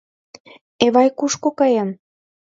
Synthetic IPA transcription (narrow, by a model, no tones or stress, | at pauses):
eβɑjkuʃkokɑjɑm